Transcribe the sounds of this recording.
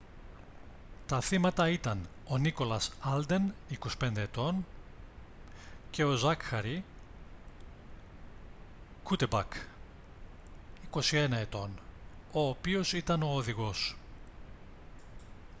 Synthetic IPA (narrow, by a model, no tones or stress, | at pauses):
t̪ɐθimɐt̪ɐit̪ɐn | o̞niko̞lɐsɐld̪e̞niko̞si̥pe̞nd̪e̞ːt̪o̞n | ce̞o̞zɐkxɐɾi | kut̪ebɐk | iko̞sie̞nɐe̞t̪o̞n | o̞ːpio̞sit̪ɐno̞ːðiɣo̞s